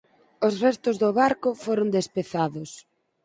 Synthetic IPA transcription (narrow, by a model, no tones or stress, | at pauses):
osrɛst̪ʊzðʊβaɾkʊfoɾʊnd̪espeθaðʊs